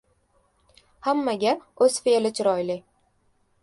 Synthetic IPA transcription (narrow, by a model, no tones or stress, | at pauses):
hamːaɡʲaɵz̥felɪt͡ʃʰɾɒjlɪ